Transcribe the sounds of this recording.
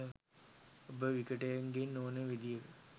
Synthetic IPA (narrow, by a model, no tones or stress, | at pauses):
obəʋikəʈəjaŋɡenːoːnəʋid̪ijəkə